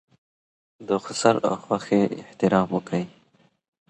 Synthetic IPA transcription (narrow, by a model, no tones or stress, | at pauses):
d̪əxʊsaɾa̰xwaxeɪ̰ht̪ɪɾɑːmwəkʰəj